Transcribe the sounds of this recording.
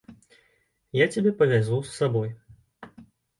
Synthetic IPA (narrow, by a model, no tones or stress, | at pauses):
jat͡sʲabʲɛpɐvʲazusːabɔj